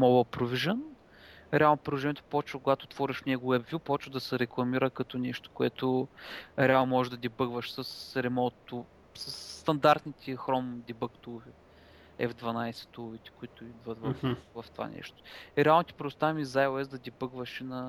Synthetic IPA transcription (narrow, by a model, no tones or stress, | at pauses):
mɔbəlpɾoviʒən | ɾɛalˠnopɾiuʒɛnʲjɛt̪o̥pɔt͡ʃvəkʊɡat̪oːt̪vɔɾiʃnʲɛɡʊɛbvʲjupɔt͡ʃvəd̪ɐsɛɾɛklˠɐmiɾəkɐt̪ɔnɛʃt̪o̥kʊɛt̪ʊ | ɾɛalˠnomɔʒeʒd̪ɐd̪ʲibɤɡvəʃsəsɾɛmɔt̪t̪ːu | səsːt̪ɐnd̪aɾt̪nit̪ʰɛxɾɔmd̪ʲibəkt̪uvɛ | ɛvd̪vɐnajsɛ̥t̪ulˠʊvit̪ɛ̥kʊit̪ʊid̪vət̪vɐfvɐft̪ova̰nɛ̰ʃt̪o̥iɾɛalˠnot̪ʲi̥pɾɛd̪ʊst̪avɛmizajoɛsd̪ɐd̪ʲibəɡvəʃinɐ